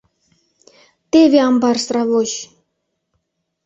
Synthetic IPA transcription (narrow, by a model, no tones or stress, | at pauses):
t̪ʲevʲeɑmbɑrsrɑvoɕ